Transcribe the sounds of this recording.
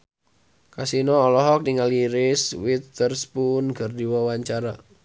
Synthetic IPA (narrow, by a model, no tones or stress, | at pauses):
kasinɔːlɔɦɔk̚niŋaliɾɪswit̪ərspunɡərdiwɔwaɲt͡ʃaɾa